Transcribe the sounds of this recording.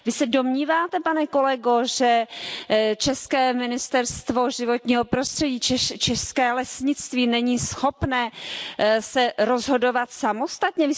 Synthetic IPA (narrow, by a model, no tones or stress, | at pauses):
vɪsɛdo̞mɲiːvaːt̪ɛpanɛko̞lɛɡo̞ʒɛ | t͡ʃɛskɛːmɪnɪst̪ɛɾst̪vo̞ʒɪvo̞t̪ɲiːɦo̞pɾo̞st̪r̝̥ɛɟiːt͡ʃɛt͡ʃɛskɛːlɛsɲɪt͡st̪viːnɛɲiːsxo̞pnɛː | sɛɾozɦo̞do̞vat̪samo̞st̪at̪ɲɛvɪ